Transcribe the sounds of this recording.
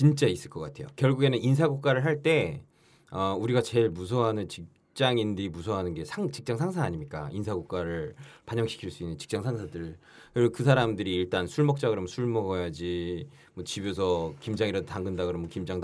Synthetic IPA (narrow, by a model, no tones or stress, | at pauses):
t͡ɕint͡ɕ͈ais͈ɯɭk͈ʌk͈atʰe̞jokjʌɭɡuɡe̞nɯnins̬ʰaɡuk̚k͈aɾɯɭɦaɭt͈e̞ | ʌuɾiɡat͡ɕe̞ɭmus̬ʰʌɦanɯnt͡ɕik̚ | t͡ɕ͈aŋindimusʰʌɦanɯnɡe̞sʰaŋt͡ɕik̚t͡ɕ͈aŋsʰaŋs̬ʰaaɲimɲik͈a̰insʰaɡuk̚k͈aɾɯɭpaɲʌŋɕʰi̥kʰiɭs͈uinːɯnt͡ɕi̥k̚t͡ɕ͈aŋsʰaŋsʰadɯɾ | kɯɾkɯsʰaɾamdɯɾiːɭt͈ansʰuɭmʌk̚t͡ɕ͈aɡɯɾʌmsʰuɭmʌɡʌjad͡ʑi | mwʌt͡ɕibjos̬ʰʌkimd͡ʑaŋiɾʌdotaŋɡɯndaɡɯɾʌmkimd͡ʑaŋd